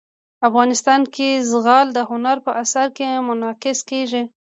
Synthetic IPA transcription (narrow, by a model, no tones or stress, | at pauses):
afɣɑnɪst̪ɑnkezɣɑld̪əhʊnaɾpəʔasaɾkemʊnɑqɪskeʒi